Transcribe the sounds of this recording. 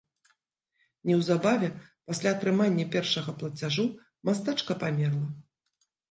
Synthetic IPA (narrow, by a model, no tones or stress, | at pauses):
nʲɛwzabavʲɛpasʲlʲat̪ɾɨmanʲːɐpʲɛrʂɐɣɐplˠɐt͡sʲaʐu | mast̪at͡ʂkɐpamʲɛrlˠɐ